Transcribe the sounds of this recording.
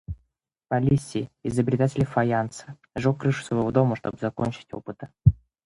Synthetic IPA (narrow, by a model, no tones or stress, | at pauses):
pɐlʲisʲːɪjɪzəbɾʲɪt̪atʲɪlʲfajant̪sə̥ | ʐokːrɨʂʊ̥u̥svɐjvod̪o̞məʂt̪obzɐko̰nʲt͡ɕɪ̥tʲopɨt̪ə̥